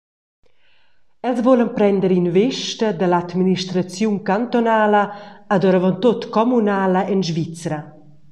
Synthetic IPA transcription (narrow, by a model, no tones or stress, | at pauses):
ɛlzvolənpɾɛnd̪əɾinveʃtəd̪əlat̪miniʃt̪ɾat͡sjuŋkant̪ɔnaːləad̪ɔɾavɔnt̪ot̪kɔmunaːləʔɛnʒvit͡sɾɐ